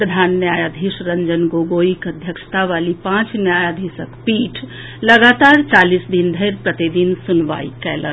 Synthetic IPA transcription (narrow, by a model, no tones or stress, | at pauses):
pɾəd̪ʱaːnːjajad̪ʱisɾəɲd͡ʒənɡoːɡoikəd̪ʱjəkʃt̪aʋalipãt͡ʃnjajad̪ʱisəkpiːʈʰ | ləɡaːt̪aːɾt͡ʃaːlisd̪ind̪ʱəjɾpɾət̪id̪insunʋa̰ḭkɛlə̰n